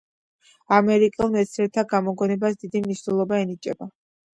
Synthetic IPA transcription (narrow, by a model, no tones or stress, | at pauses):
amɛɾikʼɛlˠmɛt̪sʰɛɾt̪ʰaɡamɔɡɔnɛbasd̪id̪imniʃnɛlˠɔbaɛnit͡ʃʼɛba